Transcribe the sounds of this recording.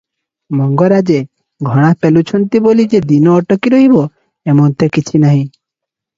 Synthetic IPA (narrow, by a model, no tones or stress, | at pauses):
mɔŋɡɔɾad͡ʒe | ɡʱɔɽ̃apelut͡ʃʰɔnt̪ibolid͡ʒed̪inɔːʈɔkiɾɔɦibɔ | emɔnt̪ekit͡ʃʰinaɦĩ